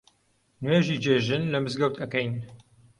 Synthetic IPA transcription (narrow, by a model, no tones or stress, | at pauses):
nweːʒiːd͡ʒeːʒɨnlɐmɨzɡɐwt̪ʰɐkɐjn